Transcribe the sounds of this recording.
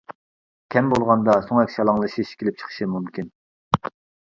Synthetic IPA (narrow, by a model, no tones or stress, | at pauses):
kʲʰɛmbolˠʁɑnd̪ɑsoŋɛkʲʃɑlˠɑŋlˠɨʃiʃkʲʰelɪp̚t͡ʃʰə̥χʰə̥ʃimumkʲʰin